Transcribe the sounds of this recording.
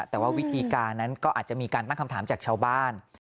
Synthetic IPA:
t̪ɛː˨˩waː˥˩wi˦˥t̪ʰiː˧kaː˧nːa˦˥nkɔː˥˩ʔaː˨˩t͡ɕa˨˩ʔmiː˧kaː˧nt̪a˥˩ŋkʰa˧mt̪ʰaː˩˦mt͡ɕaː˨˩k̚t͡ɕʰaː˧wbaː˥˩n

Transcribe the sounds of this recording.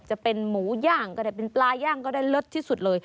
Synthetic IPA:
t͡ɕa˨˩pe˧nmuː˩˦jaː˥˩ŋkɔː˥˩daː˥˩jp̬e˧nplaː˧jaː˥˩ŋkɔː˥˩daː˥˩jlo˦˥t̪ʰːiː˥˩su˨˩t̪̚lɤː˧j

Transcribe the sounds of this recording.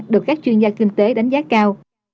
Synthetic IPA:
ɗɨ˨˩əkaː˦˥k̚t͡ɕwi˧nzaː˧kï˧ŋ̟t̪e˨˦ɗa˨˦jŋ̟zaː˦˥tkaː˧w

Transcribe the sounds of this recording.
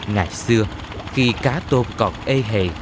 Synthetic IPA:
ŋa̰ː˨˩jsɨ˧ə | xi˧kaː˨˦t̪o˧mkɔ˨˩t̚ʔe˧ɦḛ˨˩

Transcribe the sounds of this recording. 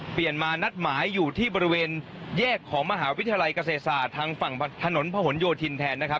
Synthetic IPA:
pli˨˩ənmaː˧na˦˥t̪̚maː˩˦jːuː˨˩t̪ʰiː˥˩bɔː˧ɾi˧weː˧n | jɛː˥˩kʰːɔː˩˦ŋma˧ɦaː˩˦wi˦˥t̪ʰi˧ja˧la˧jka˧seː˨˩t̪̚saː˨˩t̪ʰːaː˧ŋfa˨˩ŋ˧t̪ʰa˧no˩˦npʰa˧ho˩˦njoː˧t̪ʰi˧nt̪ʰɛː˧nːa˦˥kʰa˦˥p̚

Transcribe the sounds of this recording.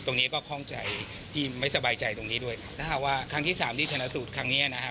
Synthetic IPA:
t̪o˧ŋni˦˥kɔː˥˩kʰɔ˥˩ŋt͡ɕa̰˧j | t̪ʰiː˥˩ma˥˩jsa˧baː˧jt͡ɕa˧jt̪o˧ŋniː˦˥du˥˩əjt̪ʰaː˥˩a˨˩k̚waː˥˩kʰɾa˦˥ŋʰiː˥˩saː˩˦mt̪ʰiː˥˩t͡ɕʰa˧na˦˥su˨˩t̪̚kʰɾa˦˥ŋniː˦˥a˨na˦˥kʰa˦˥

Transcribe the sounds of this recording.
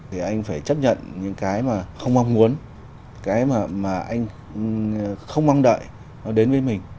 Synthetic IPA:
i˨˩ʔa˧jŋ̟faː˧˩jt͡ɕə˦˥p̚ɲə̰˧˨nɲɨ̰˧˥ŋkaː˨˦jmaː˨˩xə˧wŋ͡mma˧wŋ͡mmu˨˦ən | kaː˨˦jmaː˨˩maː˨˩ʔa˧jŋ̟ | xə˧wŋ͡mma˧wŋ͡mɗə̰ː˧˨j | nɔ˨˦ɗe˨˦nvəː˨˦jmï˨˩ŋ̟

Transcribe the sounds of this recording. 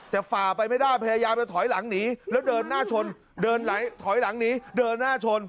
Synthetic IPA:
t̪ɛː˨˩faː˨˩pa˧jma˥˩jdaː˥˩jpʰa˧jaː˧jaː˧mpa˧jt̪ʰɔː˨˩˦jla˩˦ŋniː˦˥lɛː˦˥wdɤː˧nːaː˥˩t͡ɕʰo˧n | dɤː˧nla˩˦jt̪ʰɔ˩˦jla˩˦ŋniː˦˥dɤː˧nːaː˥˩t͡ɕʰo˧n

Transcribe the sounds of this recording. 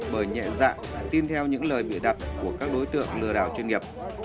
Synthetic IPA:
ɓəː˧˩jɲɛ̰˧˨za̰ː˧˨ŋ˨t̪i˧nt̪ʰɛ˧wɲɨ̰˧˥ŋləː˨˩jɓḭ˧˨ɗa˨˩t̚ku˧˩əkaː˦˥k̚ɗo˨˦jt̪ɨ̰˧˨əŋlɨ˧əɗaː˧˩wt͡ɕwi˧nŋi˨˩əp̚

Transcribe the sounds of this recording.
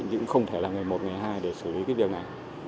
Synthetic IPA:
ŋ̟zɨ̰˧˥ŋxə˧wŋ͡mt̪ʰe˧˩laː˨˩ŋɨ˨˩jmo˨˩t̚ŋa˨˩jɦaː˧jɗe˧˩sɨ˧˩li˨˦kaː˨˦jvi˨˩ək̚na˨˩j

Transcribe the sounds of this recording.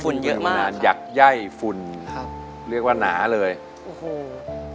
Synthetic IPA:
fu˧njɤ˦˥ʔʔmaː˥˧ŋaː˧njaː˨˩k̚ja˥˩jfu˧n˦˥ | ɾi˥˩ək̚waː˥˩naː˩˦lɤː˧j | o˨˩˧

